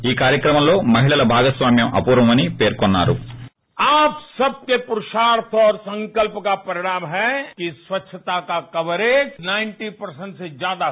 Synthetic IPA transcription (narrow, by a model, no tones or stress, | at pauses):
iːkaːɾjɐkɾɐmɐmlo̞ːmɐɦiɭɐlɐbʱaːɡɐsʋaːmjɐmʔɐ̰puːɾʋɐmɐnipe̞ːɾkɔnːa̰ːɾṵ | aːpsɐb̚kepuɾuʃaːɾt̪ʰɔːɾsɐ̃ŋkɐlpɐkapɐɾɪɽ̃aːmɦɛkisʋɐtːʃʰɐt̪aːkakɐʋɐɾeːnaɪnʈipɐɾsɐ̃ɳʈsed͡ʒjaːd̪a